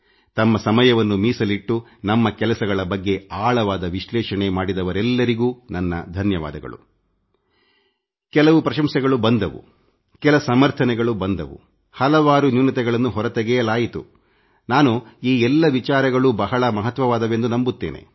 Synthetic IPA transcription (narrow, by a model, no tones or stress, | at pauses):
t̪ɐmːɐsɐmɐjɐʋɐnːumiːsɐliʈːunɐmːɐkɛlɐsɐɡɐɭɐbɐɡːe̞aːɭɐʋaːd̪ɐʋiʃlɛːʃɐɳemaːɽid̪ɐʋɐɾɛlːɐɾiɡuːnɐnːɐ̰d̪ʱɐnjɐʋa̰ːd̪ɐɡɐ̰ɭṵ | kɛlɐʋupɾɐʃɐmsɛɡɐɭubɐnd̪ɐʋṵ | kɛlɐsɐmɐɾt̪ʰɐnɛɡɐɭubɐnd̪ɐ̰ʋṵ | hɐlɐʋaːɾunjunːɐt̪ɛɡɐɭɐnːuɦɔɾɐt̪ɛɡɛjɐlaːjit̪ṵ | naːnuiːɛlːɐʋit͡ʃaːɾɐɡɐɭubɐɦɐɭɐmɐɦɐt̪ʋɐʋaːd̪ɐʋe̞nd̪unɐmbut̪ːeːnʔḛ